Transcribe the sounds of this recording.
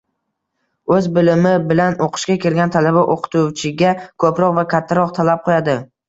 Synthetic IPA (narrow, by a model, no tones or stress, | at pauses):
ɵzbɪlɪmɪbɪlanoqʰɨ̥ʃkʲakʲʰe̞ɾɡʲant̪ʰalabaʔoqʰɨ̥t̪ʰuwt͡ʃʰɪɡʲakʰɵpɾɒqvakʲʰat̪ʰːaɾɒq̚t̪ʰalap̚qʰojad̪ɪ